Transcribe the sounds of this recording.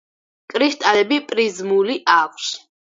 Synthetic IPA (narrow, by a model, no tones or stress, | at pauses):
kʼɾist̪ʼalɛbipʼɾizmuliʔakʷʰs